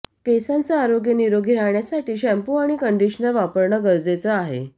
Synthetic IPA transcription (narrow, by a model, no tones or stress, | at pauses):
kesant͡saaɾoɡjəniɾoɡʱiɾaɦɳjasaʈʰiːɕæ̃mpuaɽ̃ikəɳɖiɕnəlʋapəɾɳəɡəɾd͡zet͡səaɦḛ